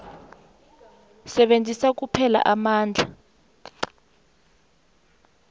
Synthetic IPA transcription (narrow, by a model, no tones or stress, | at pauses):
sɛɓend͡zʱisak̬upʰɛla̰ʔamaːnd͡ɮʱa